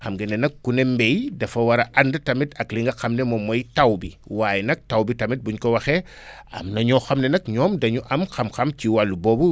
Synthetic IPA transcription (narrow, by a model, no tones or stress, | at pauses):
xɐmɡenɛnɐkːunembejdɐfɐwɐɾɐʔɐndɐtɐmitɐkliŋɡɐxɐmnɛmomːojtawbiwaːjɛnɐk̚tawbitɐmit̚buɲkɔwɐxɛ | ɐ̰mnɐɲɔxɐmnɛnɐkɲɔːmdɐɲuʔɐmxɐmxɐmciwalːubɔːbu